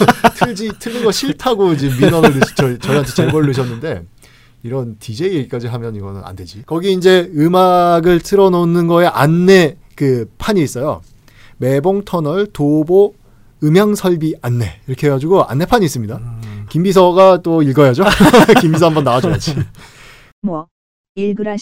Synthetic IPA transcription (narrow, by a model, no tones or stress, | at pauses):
tʰɯɭd͡ʑitʰɯɭːɯɡʌɕʰiɭtʰaɡoid͡ʑimːinʌɾɯɭːɯɕt͡ɕʌt͡ɕʌiɦantʰt͡ɕebʌɾɯɭːɯɕ̬ʰʌnːɯnde̞ | iɾʌntid͡ʑe̞ik͈ad͡ʑiɦamjʌniɡʌnɯna̰nde̞d͡ʑikʌɡiind͡ʑe̞ɯmaɡɯɭtʰɯɾʌnonɯnɡʌeʔanːe̞ | kɯpʰaɲiːs͈ʌjo̰ | me̞boŋtʰʌnʌɭtobo | ɯmjaŋsʰʌɭbianːe̞iɾʌkʰe̞ɦeɡad͡ʑuɡoa̰nːe̞pʰaɲiːs͈ɯmɲidakimbisʰʌɡat͈oiɭɡʌjad͡ʑokimbisʰʌɦambʌnːawad͡ʑonat͡ɕʰi | mʌ | iɭɡɯɾa